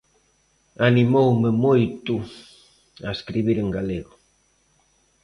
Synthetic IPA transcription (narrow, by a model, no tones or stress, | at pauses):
animowmemojt̪u | aeskɾiβiɾeŋɡaleɣo